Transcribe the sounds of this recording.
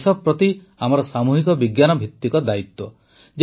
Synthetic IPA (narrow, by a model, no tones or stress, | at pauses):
sɔbpɾɔt̪i | amɔɾɔsamuɦikɔbiɡjanɔbʱit̪ːikɔd̪ait̪wɔ | d͡ʒ